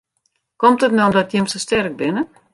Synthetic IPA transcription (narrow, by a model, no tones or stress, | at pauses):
kɔmtətnomdɔtjɪmsostɛrk̚bɪnə